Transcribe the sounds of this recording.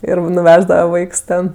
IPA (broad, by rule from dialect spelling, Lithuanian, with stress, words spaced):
ˈɪr nʊˈʋʲæːʒdɐʋɐ ˈʋɐɪks ˈtʲɛn